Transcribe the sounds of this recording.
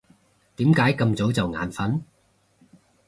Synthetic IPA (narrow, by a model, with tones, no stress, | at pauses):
t̪iː˨˥mkaː˨˥jkɐ˧mt͡so˨˥wt͡sɐ˨wŋa̰ː˨˥nfɐ˨˥n